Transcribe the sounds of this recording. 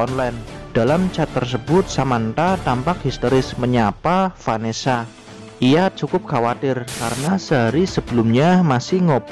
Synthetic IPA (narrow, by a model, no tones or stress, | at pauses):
ɔnlajnd̥alamt͡ʃat̪ːərs̬əbʊt̪̚samant̪at̪ampak̚hist̪oɾɪsməɲapafanesa | ʔijat͡ʃukʊp̚kawat̪ɪrkaɾənasəɦaɾisəb̥əlʊmɲamasɪhŋop